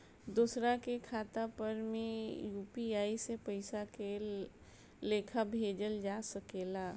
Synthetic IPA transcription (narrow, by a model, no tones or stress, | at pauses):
d̪oːsɾakekʰaːt̪apəɾmẽjuːpiaːisepəɪsake | leːkʰabʱeːd͡ʒəld͡ʒasəkeːla